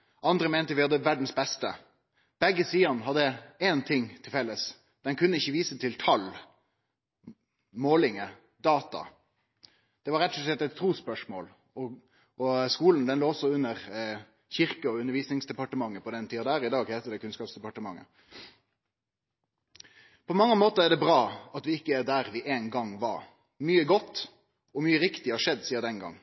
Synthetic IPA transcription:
ʔɑnd̪ɾəmeːnt̪əʋɪhɑd̪ːəʋæɖn̩sbɛst̪ə̰ | b̥ɛɡːəsiːɑnɦɑd̪ːəeːnt̪ʰɪŋːt̪ʰɪlfɛlːəs | d̪ɛnkʰʉnːəɪçːəʋiːsət̪ʰɪlt̪ʰɑl | moːlɪŋə | d̪ɑːt̪ɑ̰ | d̪̥ɛʋɑɾɛt̪ːʉɭɛt̪ːɛt̪ʰːɾuːspœʂmo̰ːl | ɔ | ɔskuːlənd̪ɛnloːɔsːɔʉnːəɾ | çɪɾkəɔʉnəɾʋiːsnɪŋsd̪ɛpɑʈəmɑŋːəpɔd̪ɛnt̪ʰiːɑd̪æːɾɪd̪ɑːɡheːt̪əd̪ɛkʰʉnskɑːpsd̪ɛpɑʈəmɑŋːə̰ | pʰɔmɑŋːəmoːt̪əɾæd̪ɛbɾɑːɑt̪ʋɪɪkːəæɾd̪æːɾʋɪʔeːnɡɑŋʋɑɾ | myːəɡɔt̪ː | ɔmyːəɾɪkt̪ɪhɑʂɛd̪ːsiːɑd̪ɛnɡɑ̰ŋː

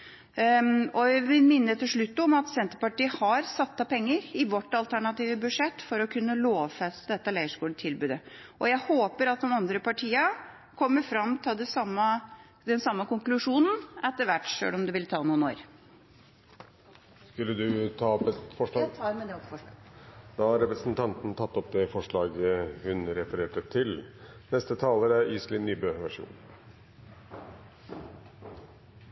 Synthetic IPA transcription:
ɔʋɪmɪnːət̪ʰɪʂɭʉt̪ːɔmɑt̪sɛnt̪əɾpɑʈiːəhɑɾsɑt̪ːɑpʰɛŋːəɾɪʋɔʈːɑlt̪ʰæɳɑt̪iːʋəbʉʂɛt̪ːfɔɾɔkʰʉnːəloːʋfɛst̪əd̪ɛt̪ːəlæɪəʂkuːlət̪ʰɪlbʉːd̪ə | ʔɔjæɪhoːpəɾɑt̪̚d̪ɔmɑnd̪ɾəpɑʈʰiːə | kʰɔmːəɾfɾɑmt̪ʰɪld̪ɛsɑmːə | d̪ɛnsɑmːəkʊŋklʉʂuːnn̩ɛt̪ːəɾʋæʈːʂø̰ːɽɔmd̪ʉʋɪlt̪ʰɑːnuːəno̰ːɾ | skʉlːəd̪ʉt̪ʰɑːɔpɛt̪fɔʂɑ | d̪̥ɑhɑɾɛpɾəsnt̪ʰɑnt̪n̩t̪ʰɑt̪ːɔp̚d̪ɛfɔʂɭɑːɡəhʉnɾɛːfəɾeːʈət̪ʰɪlnɛst̪ət̪ʰɑːləɾəiːslɪnyːbøːʋæʂṵːn

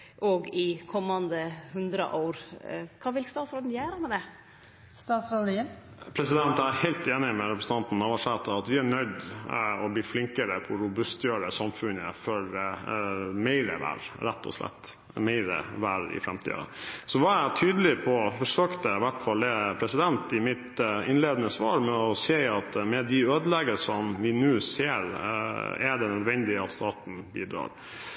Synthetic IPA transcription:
ʔɔɡɪkʰɔmːɑnd̪əhʉnd̪ɾə̰ʔoːɾkʰɑːʋɪlst̪ɑːt̪sɾoːd̪n̩jæːɾəmɛd̪ɛ | st̪ɑːt̪sɾoːd̪iəpʰɾɛsɪd̪ɛnt̪æhæɪlt̪eːnɪmɛɾɛpʰɾəsənt̪ɑnt̪n̩ɑʋɑ̃ʂɛt̪ːɑɑt̪ʋɪæɳœʏd̪ɔbliːflɪŋkəɾəpʰɔɾʊbʉst̪jøːɖəsɑmfʉnəføɾ | mæɪɾə̰ʋæ̰ːɾɾæt̪ːɔ̰slɛ̰t̪ː | mæɪɾə̰ʋæːɾɪ̰fɾɛmt̪ʰḭːd̪ɑ̰sɔʋɑæt̪ʰyːd̪əlɪpʰɔfɔʂøːkt̪əʋæʈfɑlːɛpʰɾɛsɪd̪ɛnt̪ɪmɪt̪ɪnleːd̪ənəsʋɑːɾmɛɔseːɑt̪mɛd̪ɪøːd̪əlɛɡəsɔmʋɪnʉːseːɾ | ɛɖɛnœd̪ʋɛnd̪ɪɑt̪st̪ɑːt̪n̩bḭːd̪ɾɑ̰ːɾ

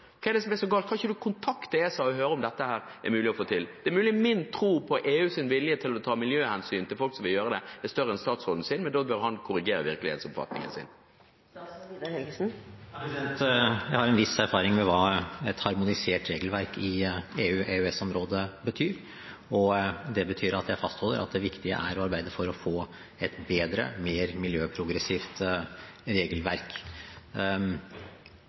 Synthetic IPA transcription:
ɔkʰɛɖ̪ɛsɔmɛsɔɡɑːlt̪kʰɑːɪçəd̪ʉkʰʊnt̪ʰɑkt̪ɪeːsɑɔɦøːɾəɔmd̪ɛt̪ːəhæːɾ | æ̰ɾmʉːlɪɔfoːt̪ʰɪld̪̥ɛæɾmʉːlɪmɪnt̪ʰɾuːpʰɔʔeːʉːsɪnʋɪljət̪ʰɪlɔt̪ʰɑːmɪljøːhɛnsyːnt̪ɪlfɔlksɔmʋɪljøːɾəd̪ɛɛst̪œɾːəɛnst̪ɑːt̪sʁɔd̪n̩sɪnmɛnd̪ɔbœɾhɑnkʰʊɾɪɡeːɾə̰ʋɪɾklɪhḛt̪sɔbfɑ̰t̪nɪ̰ŋə̰nsɪ̰n | hɛɡsn̩ɛnt̪jæɪhɑɾɛnʋɪsæɾfɑːɾɪŋmɛʋɑːɛt̪hɑɾmʊnɪseːʈɾeːɡəlʋæɾkʰɪeːʉːʔeʉɛsɔmɾoːd̪əbət̪ʰyːɾ | ɔd̪ɛbət̪ʰyːɾɑt̪jæɪfɑst̪hɔlːəɾʔɑ̰t̪̚d̪ɛʋɪkt̪ɪə̰ʔæɾɔɑɾbæɪd̪əfɔɾɔfoː | ɛt̪beːd̪ɾə̰meːɾmɪljøːpʰɾʊɡɾɛsiːft̪ | ɾeːɡəlʋæɾk

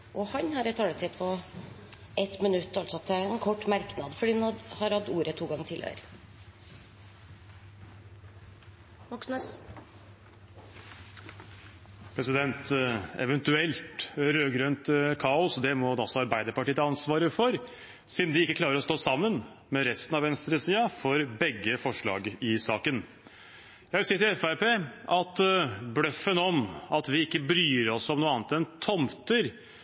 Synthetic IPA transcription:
ʔɔhɑnhɑɾɛt̪ʰɑːlət̪ʰɪpʰɔ | ʔɛt̪mɪnʉt̪ːɑlt̪sɔt̪ʰːɛɛnkʰɔʈːmæɾknɑd̪fɔɖiːnhɑɾhɑt̪ːuːɾət̪ʰuːɡɑŋːət̪ʰɪlʔə̰ɾ | ʋɑksns | pʰɾɛsɪd̪ɛnt̪ɛ̰ʋɛnt̪ʉɛlt̪ɾøːɡɾœnt̪kʰɑːʊsd̪ɛmɔd̪ɔsɔɑɾbæɪd̪əɾpɑʈiːət̪ʰəɑnsʋɑːɾəfɔɾ | sɪd̪n̩d̪ɪɪkːəkʰlɑːɾəɾɔst̪oːsɑmːən | mɛɾɛst̪ənɑʋɛnst̪ɾəsiːɑfɔɾbɛɡːəfɔʂɭɑ̰ːɡɪsɑːkən | jæɪʋɪlsiːət̪ɪlɛfæɾpeːʔɑt̪bɽœfənɔmɑt̪ʋɪɪkːəbɾyːɾɔsɔmnuːəɑːnt̪ɛnt̪ʰɔmt̪əɾ

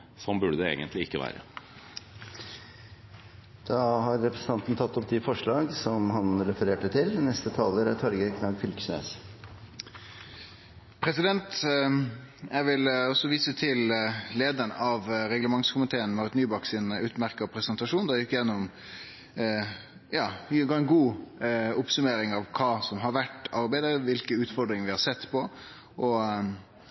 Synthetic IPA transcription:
sɔmbʉɖəd̪ɛḛːɡənt̪lɪɪkːəʋæ̰ːɾə̰ | d̪̥ɑhɑɾːɛpɾəsn̩ɑnt̪n̩t̪ʰɑt̪ːɔpt̪ɪfɔʂɭɑːɡsɔmhɑnɾɛfəɾeːʈət̪ʰɪlnɛst̪ət̪ʰɑːləɾæɾt̪ʰɑɾɡəkʰnɑːɡfɪlkə̥snḛːs | pʰɾɛsɪd̪ɛnt̪ | æʋɪlɔsɔʋiːsət̪ʰɪlleːd̪ənɑʋɾɛɡləmɑŋskʰʊmɪt̪ʰeːənmɛɔət̪nyːbɑksɪnʉːt̪mæɾkəɔpʰɾɛsənt̪ɑʂuːnd̪ɛjɪkːjɛnːɔm | jɑːɡɑɛnɡuː | ʊpsʉmeːɾɪŋɑʋkʰɑːsɔmɦɑɾʋæʈɑɾbæɪd̪əɾʋɪlkəʉːt̪fɔɾd̪ɾɪŋʋɪhɑɾsɛt̪ːpʰɔ | ʔɔ

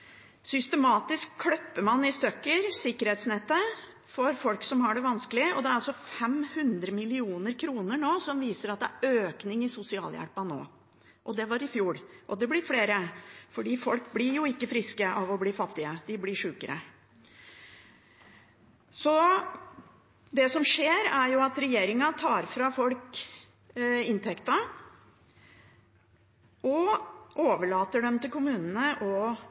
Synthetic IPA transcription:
sʏst̪əmɑːt̪ɪskʰːlœpːəmɑnːɪst̪œkːəɾsɪkːəɾheːt̪snɛt̪ːə | fɔɾfɔlksɔmɦɑɖɛʋɑnskəlɪɔd̪ɛæɾɑlsɔfɛmhʉnd̪ɾəmɪlɪuːnəɾkʰɾuːnəɳoːsɔmʋiːsəɾɑt̪̚d̪ɛæɾøːknɪŋɪsʊsɪɑ̰ːljæ̰ɽpɑno̰ː | ʔɔd̪ɛʋɑɾɪfjuːɽʔɔd̪ɛblɪɾfleːɾəfɔɖiːfɔlkblɪɾjʊɪkːəfɾɪskəʔɑʋɔbliːfɑt̪ːɪəd̪ɪblɪʂʉːkəɾə̰ | sɔ | d̪ɛsɔmʂeːɾæɾjʊɑt̪ɾɛjeːɾɪŋɑt̪ʰɑːɾfɾɑfɔlk | ɪnt̪ʰɛkt̪ɑ | ʔɔʔoːʋəɭɑːt̪əɖɛmt̪ɪlkʊmʉːnənəʔɔ

